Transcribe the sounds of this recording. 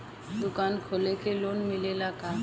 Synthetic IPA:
d̪ʊkaːnkʰoːlekeloːnmɪlelaka

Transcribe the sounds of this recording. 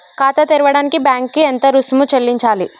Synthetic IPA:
kaːt̪ɐt̪iɾuʋɐɽaːnikibjaːŋkːient̪ɐɾusmut͡ʃelːiɲt͡ʃaːli

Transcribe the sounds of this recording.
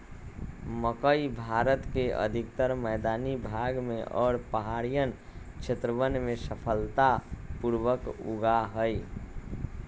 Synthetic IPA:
məkəibʱaɾət̪keʔə̰d̪ʱik̚t̪əɾməɪd̪anibʱaɡmẽʔɔ̰ːɾpəɦaɾijən | kt͡ʃʰet̪ɾəʋənmẽsəpʰəlt̪apuɾʋəkṵɡaɦəj

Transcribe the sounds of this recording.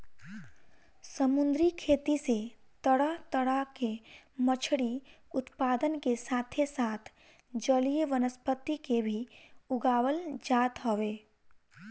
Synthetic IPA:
səmʊ̃nd̪ɾikʰeːt̪iset̪əɽat̪əɽakemət͡ʃʰɽiʊt̪paːd̪ənkesaːt̪ʰesaːt̪ʰ | d͡ʒəlijʋənəspət̪ːikebʱiʊɡaːwəld͡ʒaːt̪ɦoʋeː

